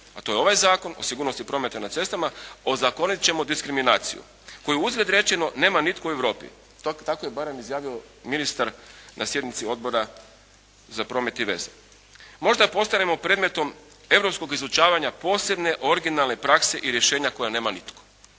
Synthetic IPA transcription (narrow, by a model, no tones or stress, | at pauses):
at̪o̞jeo̞ʋajzaːko̞no̞̰siɡuːɾnost̪ipɾo̞ːme̞t̪anat̪se̞st̪amao̞zako̞nit̪t͡ɕe̞mo̞d̪iskɾiminaːt̪sḭjṵ | ko̞juuzɡlʲed̪ɾe̞t͡ʃe̞no̞ne̞ːmanit̪koue̞ʋɾo̞ːpḭ | t̪akojebaːɾe̞mizjaːʋio̞ | minist̪aɾnʔasje̞d̪nit̪sio̞d̪bo̞ɾa | zapɾo̞ːme̞t̪iʋe̞̰ze | mo̞ʒd̪apo̞st̪ane̞mo̞pɾe̞ːd̪me̞t̪o̞m | e̞ʋɾo̞psko̞ɡizut͡ʃaːʋaɲapo̞ːse̞bne̞ʔo̞ɾiɡinalˠne̞pɾakse̞ʔiɾje̞ʃe̞ːɲako̞jane̞ːmanit̪ko̥